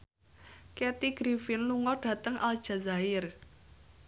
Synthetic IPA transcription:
kɛt̪iɡ̥ɾifɪnluŋɔɖ̥ä̤t̪əŋʔa̰ld̥ʒ̥a̤zaɪr

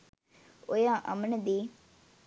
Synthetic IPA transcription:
ojãːʔɐ̰mnəd̪iː

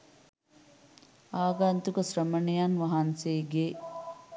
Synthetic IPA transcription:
aːɡaːnt̪ukɐsɾɐmɐnijanʋɐɦanseːɡeː

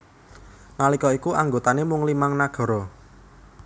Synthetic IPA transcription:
nalikɔikuʔaŋɡot̪anemʊŋlimaŋnaɡ̥ɔ̤ɾɔ

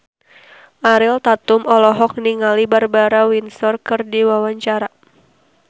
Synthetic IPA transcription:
ʔaɾɪlt̪at̪ʊmɔlɔɦɔk̚niŋalibarbaɾawinsɔrkɨrdiwawaɲt͡ʃaɾa

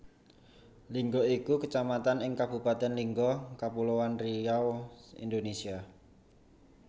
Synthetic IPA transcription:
liŋɡɔikukət͡ʃamat̪anɪŋkab̥ṳpat̪ɛnliŋɡɔkapulowanriawḭnd̪onesia

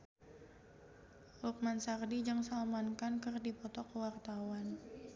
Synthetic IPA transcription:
ruk̚mansardid͡ʒəŋsalmankankərdipɔt̪ɔkəwart̪awan

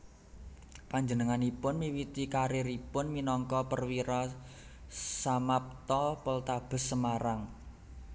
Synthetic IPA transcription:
paɲd͡ʒənəŋanipʊnmiwit̪ikaɾeɾipʊnminɔŋkɔpərwiɾɔ | samap̚t̪ɔpəlt̪ab̥ə̤sːəmaɾaŋ

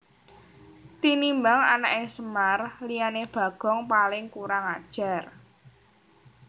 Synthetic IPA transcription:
t̪inimbaŋanaʔesəmarlijaneb̥a̤ɡ̥ɔ̤ŋpalɪŋkuɾaŋad̥ʒ̥a̤r

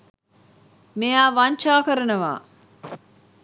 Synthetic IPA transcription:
mejaːʋaɲt͡ʃaːkɐɾɐnɐʋa̰ː

